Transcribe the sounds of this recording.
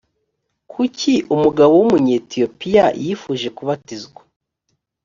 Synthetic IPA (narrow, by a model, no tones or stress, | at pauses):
kʰucʰiʔumuɡaβo̞wumuɲetijo̞pijajifuʒe̞kuβatizɡwḁ